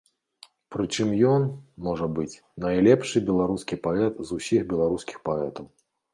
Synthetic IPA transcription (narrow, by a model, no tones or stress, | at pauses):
pɾɨt͡ʂɨmjɔnmɔʐɐbɨt͡sʲ | nɐjlʲɛpʂɨbʲɛlˠaɾuskʲipaɛt̪zusʲixbʲɛlˠaɾuskʲixpaɛt̪ɐw